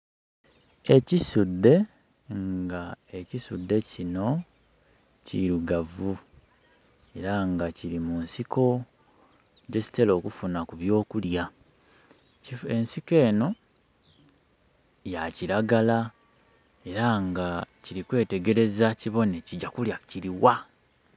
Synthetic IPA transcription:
e̞cisud̪ːe̞ | ŋɡae̞cisud̪ːe̞cino̞ | ciɾuɡavu | e̞ɾaŋɡaciɾimunsiko̞ | ɟe̞si̥te̞lo̞ːkufunakuβjo̞ːkulja | ie̞nsike̞ːno̞ | jaciɾaɡala | e̞ɾaŋɡaciɾikwe̞ːte̞ɡe̞ɾe̞zaciβo̞neciɟːakuljaciɾiwa

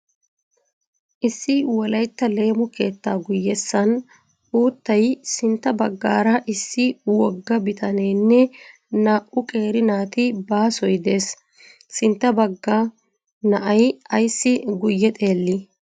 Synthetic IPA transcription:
ʔɪsːɪwɔlɐjt̪ːɐle̞ːmʊke̞ːt̪ːaːɡʊjːɛsːɐn | uːt̪ːɐjsɪnt̪ːɐbɐɡːa̰ːɾɐʔɪsːɪwɔɡːɐbɪt̪ʰɐneːnːɛ | naːʔʊkʼe̞ːɾɪnaːt̪ɪbaːsɔjd̪e̞ːs | sɪnt̪ːɐbɐɡːɐ | nɐʔɐjɐjsːɪɡʊjːɛt̪ʼe̞ːlːɪ

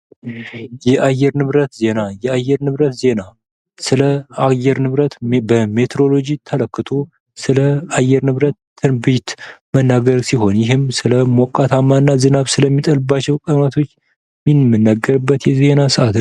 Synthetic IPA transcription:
jɛʔajːɛɾnɨβɾət̪ze̞najɛajːɛɾnɨβɾət̪ze̞na | sɨləajːɛɾnɨβɾət̪bəme̞t̪ʰɾo̞lo̞d͡ʒit̪ʰələkːɨt̪ʰo̞ | sɨləajɛɾnɨβɾət̪ʰː | ɨnbit̪mənːaɡəɾsiɦo̞njɪɦɨmsɨləmɔkʼːat̪ʰamːanːazɨnaβsɨləmːit̪ʼəlɨbːat͡ʃːɛwkʼənat̪ʰo̞t͡ʃː | minmɨnːaɡəɾɨbːət̪jɛze̞nasɨʔat̪

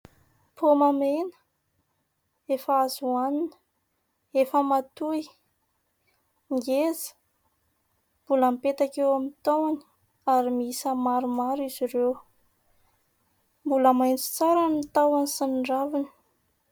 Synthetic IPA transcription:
pʰomamenə̥ | efəazuaninə̥ | efəmat̪uj | ŋɡezə̥ | mb̥uləmipet̪akewamint̪awani̥ | aɾimisəmaɾumaɾiziɾew | mbuləmajnt͡si̥t͡saɾanit̪awansinɳɖ͡ʐavini̥

